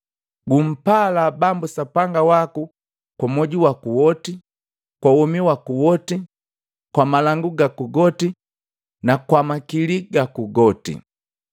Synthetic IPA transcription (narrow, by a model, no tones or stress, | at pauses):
ɡum̩palabambusapaŋɡawaku | kwamɔɟuwakuwɔti | kwawɔmiwakuwɔti | kwamalaŋɡuɡakuɡɔti | nakwamakiliɡakuɡɔtḭ